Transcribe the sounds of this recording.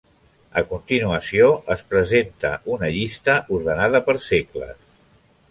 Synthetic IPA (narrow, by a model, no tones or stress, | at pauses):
əkunt̪inuəsioʔəspɾəzent̪ə̰ʔunəʎist̪əʔuɾðənaðəpəɾseklə̰s